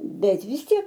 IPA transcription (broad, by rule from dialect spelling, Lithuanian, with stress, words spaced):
ˈbʲɛt ʋʲɪs ˈtʲiɛk